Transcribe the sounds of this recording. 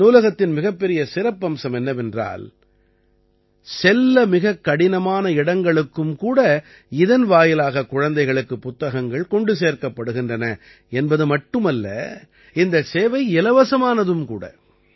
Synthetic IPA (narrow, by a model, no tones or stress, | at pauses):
nuːlɐɣɐt̪ːɪnmɪɣɐpːɛɾɪjɐsɪɾɐpːɐmsɐmɛnːɐʋɛndra̰ːl | sɛlːɐmɪɣɐkːɐɽɪnɐmaːnɐɪɽɐŋɡɐɭɯkːɯmkuːɽɐ | ɪðɐnʋaːjɪlaːɣɐkʊɻɐnd̪ɐɪɣɐɭɯkːɯpːʊt̪ːɐɣɐŋɡɐɭkɔɳɖɯseːɾkɐpːɐɽɯɣɪndrɐnɐ | ɛnbɐðɯmɐʈːɯmɐlːɐ̰ | ɪnd̪ɐseːʋɐɪɪlɐʋɐsɐmaːnɐðɯmkuːɽɐ̰